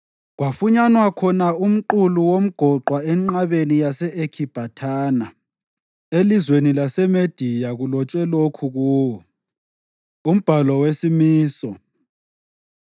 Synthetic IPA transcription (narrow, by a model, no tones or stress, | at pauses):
ɣwafuɲanwakʰɔnaum̩ǃuluwom̩ɡ̥ʱɔǃwaɛŋ͡ǃaβenijasɛʔekʰib̥ʱatʰaːna | elizwenilasɛmed̥ʱijaɣulɔt͡ʃʼwɛlokʰuɣuːɔ | um̩b̥ʱalɔwesimiːsɔ